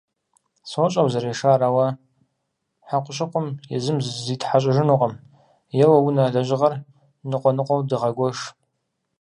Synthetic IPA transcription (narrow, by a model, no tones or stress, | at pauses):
sɔɕʼɐwzɐɾeːʂaːɾawɐ | ħaqʷʰʊɕʼɪqʷʊmjɛzɨmzzitʰħaɕ̬ʼɪʒɪnuqʼɐm | jɛwɐwʊnaɮɐʒɪʁɐr | nɨqʷʼɔnɨqʷɔwdɨʁɐɡʷɔʂ